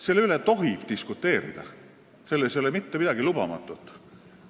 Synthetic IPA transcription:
se̞lːeylet̪o̞ɦib̥t̪iskut̪ːˑe̞ːɾḭd̪̥ɑ̰ | se̞lːesjo̞lemit̪ːemid̪̥ɑɡilub̥ɑ̰mɑ̰t̪ːˑut̪ːˑ

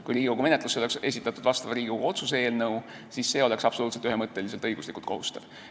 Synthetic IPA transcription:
kujɾiːɡ̥ikoɡ̥ume̞net̪luseo̞le̞kse̞s̬it̪ːˑɑt̪ːud̪̥vɑst̪ɑvɑɾiːɡʲikoɡuo̞t̪susee̞ːlnɤw | sisːe̞ːo̞le̞ksɑb̥so̞luːt̪set̪yɦemɤt̪ːe̞lise̞lt̪ɤjɡ̥uslikult̪ko̞hust̪ɑ̰v̥

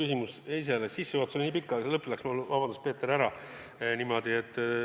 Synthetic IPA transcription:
ysʲimusejs̬elesisːeoɑt̪soiniːpikːˑɑlɤpːˑilæksmulvɑbɑnd̪uspeːt̪ːeɾæɾɑ | nimo̞d̪̥iet̪ː

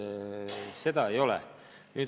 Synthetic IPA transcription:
se̞d̪ɑejo̞lɛ̰ | nyːt̪

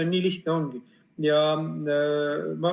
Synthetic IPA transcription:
enʲiːliht̪neoŋɡi | jɑ | mɑ

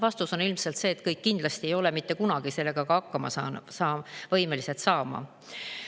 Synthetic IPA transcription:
vɑst̪uso̞nilmse̞lt̪se̞ːt̪kɤjkːind̪lɑst̪ie̞jo̞le̞mit̪ːe̞kunɑɡ̥ise̞lːe̞ɡ̥ɑkɑɑkːɑmɑ̰sɑ̰ːnsɑːvɤjme̞lise̞t̪sɑːmɑ̰

